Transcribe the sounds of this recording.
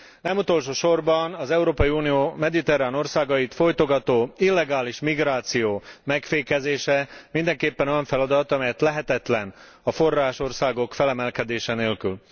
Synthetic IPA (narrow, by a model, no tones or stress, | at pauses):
nɛmut̪o̞lʃoːʃo̞rbɒnɒzɛuɾoːpɒjiuːnijoːmɛd̪it̪ɛraːno̞rsaːɡɒjit̪fo̞jt̪o̞ɡɒt̪oːilːɛɡaːliʃmiɡraːt̪sijoːmɛkfeːkɛzeːʃɛmind̪ɛŋkeːpːɛno̞jɒɱfɛlɒd̪ɒt̪ɒmɛjɛt̪lɛɦɛt̪ɛt̪lɛn | ɒfo̞rːaːʃo̞rsaːɡo̞kfɛlɛmɛlkɛd̪eːʃɛneːlkyl